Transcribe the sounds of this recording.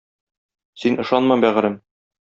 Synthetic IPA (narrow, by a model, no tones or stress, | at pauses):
sinʔɤ̆ʃɑnmɑmbæʁɘ̆ɾɘm